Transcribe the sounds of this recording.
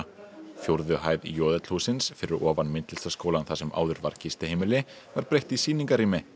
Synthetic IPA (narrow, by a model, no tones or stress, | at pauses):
fjowɾðʏɦaːjðjɔːðɛt̪l̥huːsɪnsfɪɾɪɾʔɔːvanmɪnt̪lɪlst̪ḁskoːwlanθasɛma̰ːwðʏɾva̰ɾ̥cɪst̪ɪhejmɪlɪ | vaɾpɾejht̪isiːniŋkaɾiːmɪ